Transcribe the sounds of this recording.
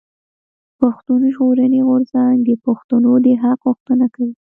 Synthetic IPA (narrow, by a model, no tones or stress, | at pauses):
paxt̪unʒɣoɾaneɣʊɾzaŋɡd̪əpaxt̪anod̪əɦaqɣʊxt̪ənakawi